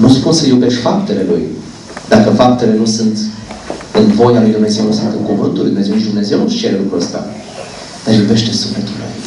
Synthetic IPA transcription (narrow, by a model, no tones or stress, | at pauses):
nuspunsəjube̞ʃt̪ʲfap̚t̪e̞le̞lṵj | d̪akəfap̚t̪e̞le̞nusunt̪ | ɨnvo̞jalujd̪umne̞zewnusɨnt̪ɨŋkuvɨnt̪uluḭjd̪umezenit͡ʃd̪umne̞ze̞wnust͡ʃeɾelukɾuəst̪a̰ | d̪̥aɾjube̞ʃt̪e̞suflet̪ul